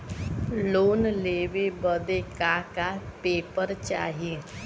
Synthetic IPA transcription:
loːnleːʋebəd̪ekaːkapeːpəɾt͡ʃa̰ːɦe

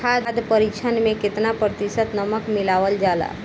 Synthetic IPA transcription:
kʰaːd̪d̪pəɾit͡ʃʰənmẽkɪt̪napɾət̪isət̪nəməkmɪlaːʋəld͡ʒaːla̰ː

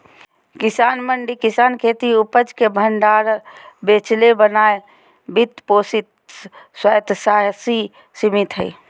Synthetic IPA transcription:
kɪsaːnməɳɖikisaːnkʰeːt̪iupəd͡ʒkebʱəɳɖaːɾbeːt͡ʃlebənaːe | bit̪poːsit̪̚ | swəjt̪saːɦsi | simit̪ɦə̰i

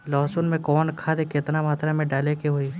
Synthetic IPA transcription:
lɔːsʊnmẽkɔːnkʰad̪ekɪt̪namaːt̪ɾamẽɖaːlekeɦoi

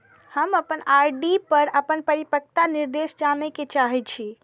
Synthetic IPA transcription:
həməpənaɾɖipəɾəpənpəɾipək̚t̪aniɾd̪esd͡ʒanɛket͡ʃaɦɛt͡ʃʰi

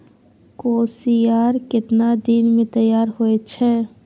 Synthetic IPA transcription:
koːsiaːɾkɪt̪nad̪iːnmẽt̪ɐjːaːɾɦoet͡ʃʰɛː

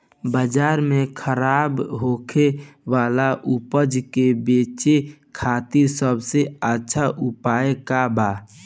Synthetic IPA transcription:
bəd͡ʒaːɾmekʰəɾaːbɦoːkʰeʋaːlaʔupəd͡ʒkebeːt͡ʃekʰat̪iɾsəbʱseətːʃʰaʔupaːekaba

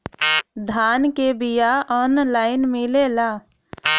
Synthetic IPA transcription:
d̪ʱaːnkebijaɔːnlaːɪnmẽleːla

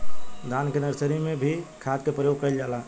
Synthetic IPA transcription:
d̪ankenəɾsəɾimebʱikʰad̪kepɾəjoɡ̚kəjld͡ʒala

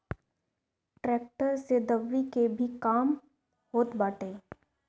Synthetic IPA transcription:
ʈɾɛːk̚ʈəɾsed̪ɐʋːikebʱikaːm | hoːt̪baːʈeː

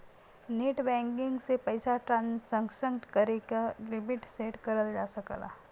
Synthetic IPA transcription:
neʈbɛ̃ŋkiŋɡsepəjsaʈɾansəŋɡsəŋt̪kəɾekaɾibiʈseʈkəɾəld͡ʒasəkla̰

